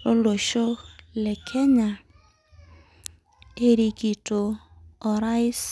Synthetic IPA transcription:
o˦lo˨ʃo˦lɛ˨kʰɛ˦ɲa˨ | e˦ɾi˨ɡi˨to˨ | ɔ˨ɾa˦ɪ˦s

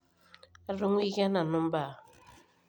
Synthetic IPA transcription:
a˦ɾu˦ŋ˦i˦ɣa˦na˨no˦m˦ba˦˨

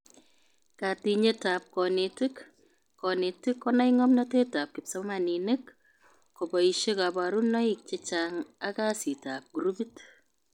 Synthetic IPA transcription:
ka˨ti˨ɲe˦ta˨p̚kɔ˨ne˨tɪ˦k | kɔ˨ne˨tɪ˦kːɔna˦jŋɔ˦mnɔ˦te˦ta˨p̚kɪ˨psa˦ma˨nine˦k | ko˨bɔ˨i˨ʃe˦ka˨ba˨ɾu˦nɔ˦i˨k̚t͡ʃe˦t͡ʃaŋa˦ka˦si˨ta˨p̚ɡu˨ɾubi˦t

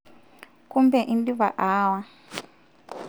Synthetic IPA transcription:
ku˦mbɛ˨ʔi˦ndi˦βa˨ʔaː˦wa˦

